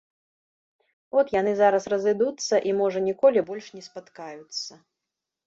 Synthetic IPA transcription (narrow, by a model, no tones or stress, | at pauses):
ɔt̪jan̪ɨzaɾɐsrɐzɨd̪ut̪sːɐʔimɔʐɐnʲikɔlʲibɔlʲʂnʲɛspat̪kajut̪sːɐ